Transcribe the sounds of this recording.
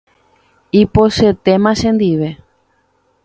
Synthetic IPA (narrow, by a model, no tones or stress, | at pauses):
ipoʃet̪emãʃẽnd̪iʋe̞